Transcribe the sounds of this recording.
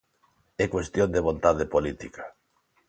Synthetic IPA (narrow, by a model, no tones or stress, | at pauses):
ɛkwest̪jõnd̪eβ̞ont̪aðepolit̪ikḁ